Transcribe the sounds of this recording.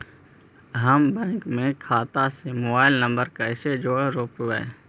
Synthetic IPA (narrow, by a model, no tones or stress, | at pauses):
ɦəmbɛ̃ːŋkmẽkʰaːt̪asemoːbaːɪlnə̃mbəɾkaɪsed͡ʒoːɽɾoːpʋɛ̰ː